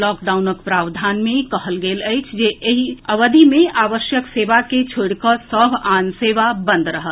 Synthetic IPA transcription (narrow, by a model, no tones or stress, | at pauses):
lɔːkɖaːʊnəkpɾaːʋd̪ʱaːnmẽkəɦəlɡeːləjt͡ʃʰd͡ʒeeɦiəʋəd̪ʱimẽaːʋəʃjəkseːʋaket͡ʃʰoɽkəsəbʱanseːʋabə̃nd̪ʱɾəɦət̪